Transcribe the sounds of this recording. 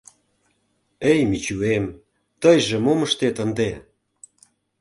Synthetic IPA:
ejmit͡ɕuem | t̪əjʒĕmoməʃt̪et̪ənd̪e

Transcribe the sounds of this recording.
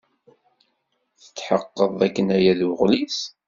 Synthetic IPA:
θə̥t͡sːħəqːəðˤækːənæjæðʁlis

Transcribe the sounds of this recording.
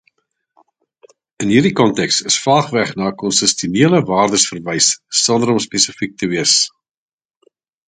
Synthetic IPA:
ənɦiːrdikɔntɛkstəsfɑːχvæχnɑːəkɔnsəstjuniələvɑːrdəsfərvəjsːɔndəɾɔmspesəfik̚təviəs

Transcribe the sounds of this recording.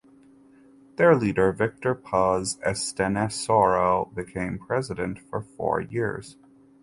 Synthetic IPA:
ðə˞liɾə˞vɪk̚tə˞pʰɑzɛstɛnɛsɔɹobɨkʰẽɪ̃mpʰɹ̥ɛzɨɾɨ̰̃ntfə˞fɔ̰ɹjɪɹz̥

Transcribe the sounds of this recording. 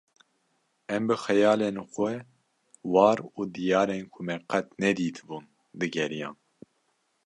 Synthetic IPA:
ɛmbɨxɛjɑːlenxɛ | wɑːɾuːd̪ijɑːɾenkʰʊmɛqʰɛt̪nɛd̪iːt̪ʰɨbuːn | d̪ɨɡɛɾijɑ̃ːn

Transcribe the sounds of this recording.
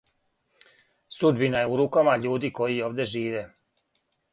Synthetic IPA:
sud̪binajeuɾukamaʎuːd̪iko̞jio̞ːʋd̪e̞ʒiːʋe

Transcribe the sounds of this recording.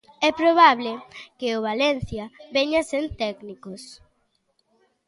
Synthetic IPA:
ɛpɾoβ̞aβlɪkeoβ̞alɛn̟θjɐβɛɲasent̪ɛknikos

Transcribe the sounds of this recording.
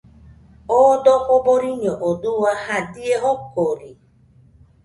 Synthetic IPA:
odɔʔoboɾiɲɔʔoduwahadieɦokoɾi

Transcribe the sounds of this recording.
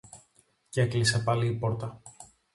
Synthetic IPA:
ceklise̞pɐliːpo̞ɾt̪ɐ

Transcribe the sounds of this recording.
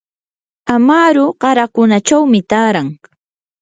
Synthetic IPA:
amaːɾʊɢɑɾakʊnat͡ʃawmɪt̪aːɾaŋ

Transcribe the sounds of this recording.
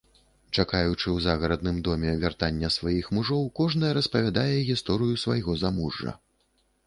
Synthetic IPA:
t͡ʂakajut͡ʂɨwzaɣɐɾɐd̪̚nɨmd̪ɔmʲɛvʲart̪anʲːɐsvajixmuʐɔwkɔʐnɐjɐɾɐspɐvʲad̪ajɛɣʲist̪ɔɾɨjusvajɣɔzamuʐːɐ̰

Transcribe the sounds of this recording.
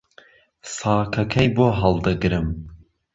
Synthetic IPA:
sɑːkʰɐkʰɐjboːɦɐlˠd̪ɨɡɾɨm

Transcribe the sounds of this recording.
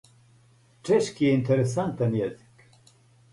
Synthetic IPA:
t͡ʃʰɛʃkiɛint̪ʰɛɾɛsant̪ɛnjɛzi̥k

